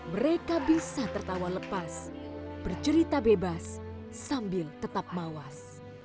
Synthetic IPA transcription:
məɾekabisat̪ərt̪awaləpasb̥ərt͡ʃəɾit̪abebasː | ambɪlt̪ət̪ap̚mawas

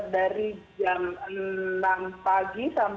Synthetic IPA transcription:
daɾid͡ʒamənampaɡisam

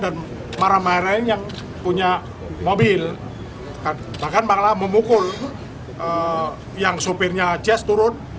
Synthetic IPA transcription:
dan | maɾamaiɾanjaŋ | puɲa | mobɪl | ka | bahkanbaklaməmukʊl | ə | jaŋsupɪrɲat͡ʃɛst̪uɾʊt̪̚

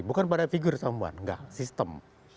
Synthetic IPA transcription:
bukanpadafiɡʊrsamua̰nŋɡa̰ʔsist̪əm

